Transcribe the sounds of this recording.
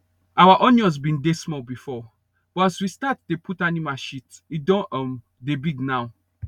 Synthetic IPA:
awaʔɔnɔ̃s̬bĩndesmɔbifɔ | b̥ɔaswistatdepʰutanimaʃitidɔ̃ɔm | debiɡnaw

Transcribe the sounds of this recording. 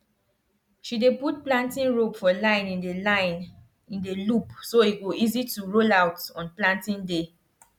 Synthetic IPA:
ʃideput̚plãntĩnɹopfɔlãɪ̃nĩndeaɪn | ĩndelupsoeɡoizituɹolawtɔ̃nplãntĩnde

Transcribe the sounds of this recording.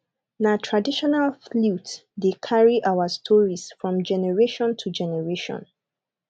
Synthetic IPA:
natʰɹadiʃɔnalflutdekʰaɹiʔawastʰɔɹisfɹɔ̃md͡ʒɛnɛɹeʃɔ̃ntʰud͡ʒɛnɛɹeʃɔ̰̃n

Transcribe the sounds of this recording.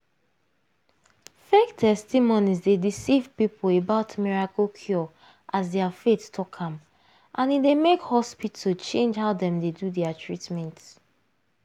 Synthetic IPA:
fek̚tʰɛstimonizdedisivpipʰolebaʊtmiɹakokʰjɔ | ʔazdɛafetstʰɔkʰãm | ʔãnidemekhɔspitot͡ʃẽnd͡ʒhaʊdɛ̃mdedudɛatʰɹitmɛ̃nt

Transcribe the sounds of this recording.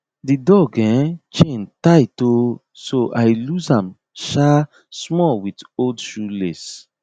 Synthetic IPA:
didɔɡɛ̃t͡ʃẽntaɪto | soʔaɪluzãm | ʃa | smɔlwitoldʃules

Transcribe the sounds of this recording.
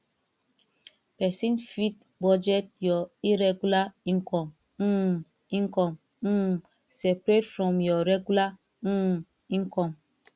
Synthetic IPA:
pɛsĩnfit̚ | bɔd͡ʒɛt̚jɔiɾɛɡulaĩŋkɔ̃m̩ | ĩŋkɔm̩ | sɛpɾetfɾɔ̃mjɔɾɛɡula | ĩŋkɔm

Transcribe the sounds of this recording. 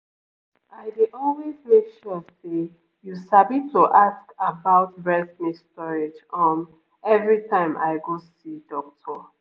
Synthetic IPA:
aɪdeʔɔlwezmekʃɔse | jusabitʰuʔaskabaʊtbɛsmistɔɹed͡ʒɔ̃n | ɛvɹitʰãɪ̃mʔa̰ɪɡosidɔk̚tʰɔ

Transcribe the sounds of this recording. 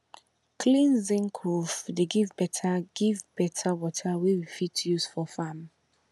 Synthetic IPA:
kʰlĩnzĩnkʰɹuvdeɡivbɛtʰaɡ̥ivbɛtʰawɔtʰawiwifitjuz̥fɔfãm

